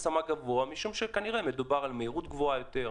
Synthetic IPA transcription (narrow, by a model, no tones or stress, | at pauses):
samaɡavoamiʃumʃe̞kaniʁeme̞d̪ubaʁalmeiʁut̪ɡvo̞ajot̪e̞ʁ